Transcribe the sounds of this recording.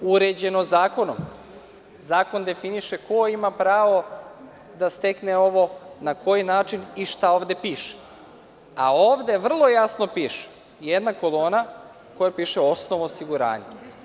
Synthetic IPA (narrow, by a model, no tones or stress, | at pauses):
uɾed͡ʑe̞nozaːko̞no̰m | zaːko̞nd̪e̞finiʃeko̞imapɾaːʋo̞ | d̪ast̪e̞kneo̞ʋo̞nako̞jinaːt͡ʃiniʃt̪ao̞ːʋd̪e̞piːʃe̥ | a̰oːʋd̪e̞ʋr̩lˠo̞jasno̞piːʃe̥ | jed̪nako̞lˠo̞ːna | ko̞japiːʃeo̞snoʋoːsiɡuɾa̰ːɲe